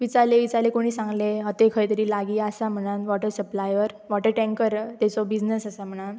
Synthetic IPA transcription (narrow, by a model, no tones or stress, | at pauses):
ʋit͡saleʋit͡salekoɽ̃iːsãŋɡleɦat̪ekʰəit̪əɾiːlaɡiːasam̤əɽ̃anʋɔʈəɾsəplajʋəɾ | ʋɔʈəɾʈɛ̃ŋkəɾt̪ɛt͡sɔbid͡znəsasam̤əɽ̃an